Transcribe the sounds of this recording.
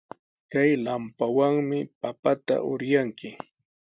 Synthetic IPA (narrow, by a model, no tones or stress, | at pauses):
kajlampawaŋmɪpapat̪a̰ʔʊɾjaŋkɪ